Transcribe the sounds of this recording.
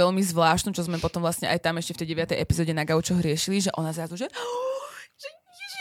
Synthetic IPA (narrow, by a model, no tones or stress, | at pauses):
ɛʎmizʋlaːʃt̪nut͡ʃɔzmɛpɔt̪ɔmʋlast̪ɲɛʔa̰jt̪amɛʃcɛft̪ɛjɟɛʋat̪ɛjɛpizɔːɟɛnaɡaut͡ʃɔɦɾɪɛʃiliʒɛʔɔnazɾazuʒɛ